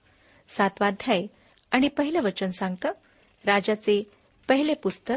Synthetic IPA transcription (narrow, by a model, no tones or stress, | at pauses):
sat̪ʋad̪ʱjaj | aɽ̃ipəɦiləʋət͡ɕənsãŋɡt̪əː | ɾad͡ʑat͡se | pəɦilepust̪ə